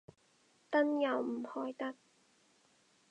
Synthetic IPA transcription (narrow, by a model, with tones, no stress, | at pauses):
t̪ɐ˥njɐ˨˩wm̩˨˩hɔː˧˥jt̪ɐ˥t̚